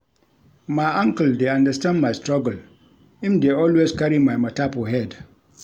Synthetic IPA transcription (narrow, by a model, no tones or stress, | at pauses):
majʔãŋkəldeãndəstãndmajstɹaɡəl | ĩmdeɔlweskaɾimajmatapoɦɛd